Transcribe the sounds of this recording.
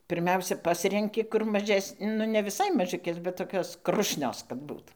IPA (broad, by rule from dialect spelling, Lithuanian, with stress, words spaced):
pʲɪrʲˈmʲɛʊsʲɛ ˈpɑːsʲrʲɛŋʲkʲɪ kʊr mɐˈʒʲɛsʲ nʊ nʲɛ ʋʲɪˈsɐɪ mɐˈʒʲʊkʲeːs bʲɛt toːˈkʲoːs ˈkrʊʃʲnʲoːs kɐt ˈbuːt